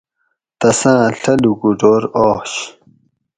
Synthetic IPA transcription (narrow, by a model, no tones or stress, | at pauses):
t̪ɐsãːɬɐluɡuɖoːɾɔːɕ